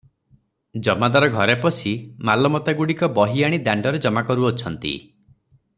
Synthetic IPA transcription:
d͡ʒɔmad̪aɾɔɡʱɔɾepɔsimalɔmɔt̪aɡuɽikɔbɔɦiaɽ̃id̪aɳɖɔɾed͡ʒɔmakɔɾuɔt͡ʃʰɔnt̪ḭ

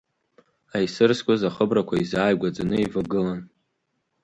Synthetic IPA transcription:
ajsɨrskʷʼozaχəbrakʷʰaizaːjɡʷad͡zanɨivaɡɨlan

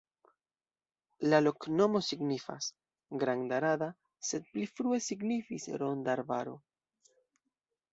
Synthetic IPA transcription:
lalo̞knomo̞siɡnifa̰s | ɡɾaŋd̪aɾaða | se̞t̪̚plifɾuesiɡnifisɾo̞nd̪aɾbaɾo̰

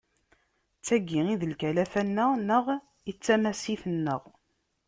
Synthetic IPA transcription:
t͡sːæɡːiiðəlkælæfænːənəʁ | it͡sːæmæsiθənːə̰ʁ

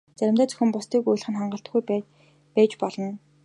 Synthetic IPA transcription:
t͡sæɾʲɪ̆mt̪æːt͡sɵ̥xʲɘ̆mpʊst̪ʰiːkujɮ̆χɘ̆nχaɴɢə̆ɬt̪̆ɡuj | pæːt͡ɕpɔɮɞ̆n

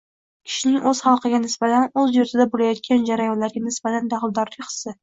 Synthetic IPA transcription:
kʲʰɪ̥ʃɪnɪŋʔɵz̥χɑlˠqɨɡʲanɪsbat̪ʰanɵzjʊɾt̪ʰɪd̪abolajɒt̪̚kʲand͡ʒaɾajɒnlaɾɡʲanɪsb̥at̪ʰand̪aχɨlˠd̪ɒɾlɪqʰɨ̥sɪ

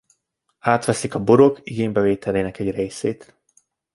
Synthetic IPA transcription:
aːt̪ʋɛsikɒboɾo̞kiɡeːɲbɛveːt̪ɛleːnɛkɛɟrejseːt̪

